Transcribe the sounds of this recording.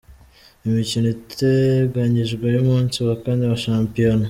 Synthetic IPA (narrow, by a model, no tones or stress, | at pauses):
imicinitʰeɡaɲiʒɡwajumuːnsuβakaːndiaβaʃaːmpijono